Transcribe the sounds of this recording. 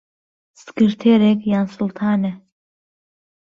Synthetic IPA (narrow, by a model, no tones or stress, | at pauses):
sɡ̥ɨɾt̪ʰɛɾɛkjansult̪ʰaːnɛ